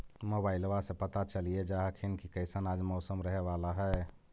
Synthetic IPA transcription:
moːbaːɪlowasẽpət̪at͡ʃəlied͡ʒaːɦkʰinkikəɪsənaːd͡ʒmɔːsəmɾəɦeʋaːlaɦɛ

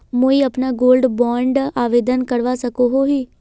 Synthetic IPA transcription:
moːiːəpnaːɡoːlɖbɔːɳɖaːʋeːd̪ənkəɾʋaːsəkoːɦoːɦiː

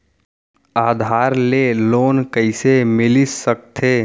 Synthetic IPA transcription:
aːd̪ʱaːɾleloːnkəɪsemɪlissək̚t̪ʰeː

